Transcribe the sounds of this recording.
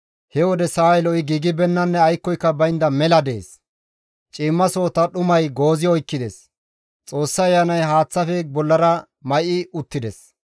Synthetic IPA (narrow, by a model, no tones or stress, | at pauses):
hɛwɔd̪ɛsaːɛlɔɪɡiːɡɪbɛnːɐnːɛɐjkːɔjkːɐbɐjnd̪ɐmɛlɐd̪e̞̰ːs | t͡ʃʼɪːmːɐso̞ːt̪ɐɗʊmɐjɡo̞ːzɪɔjkːɪd̪ɛs | t͡sʼo̞ːsːɐɐjːanɐjɦaːt͡sːɐfɛbɔlːɐɾɐ | mɐjɪʊt̪ːɪd̪ɛs